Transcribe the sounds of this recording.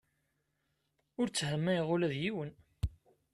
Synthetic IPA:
ʊɾt͡sːhəmːæjiʁʊlæðjiwən

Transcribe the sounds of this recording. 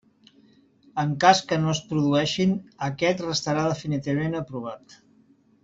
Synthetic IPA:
əŋkaskənoəspɾuðuɛʃinəkɛt̪rəst̪əɾaðəfinit̪iβəmenəpɾuβ̞at̪

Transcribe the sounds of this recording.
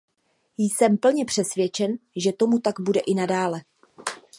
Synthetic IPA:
jsɛmpl̩ɲɛpr̝̥ɛsvjɛt͡ʃɛnʒɛt̪o̞mut̪aɡbudɛʔɪnadaːlɛ

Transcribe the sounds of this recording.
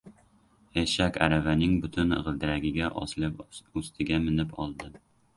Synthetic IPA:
ɛʃækʲæ̰ɾævænɪŋbʊt̪ʰʊn̰ʁɨld̪ɪɾæɡʲɪɡʲɛʔɒ̰slˠɪpɵst̪ʰɪɡʲɛmɪnɪpʰɒlˠd̪ɨ

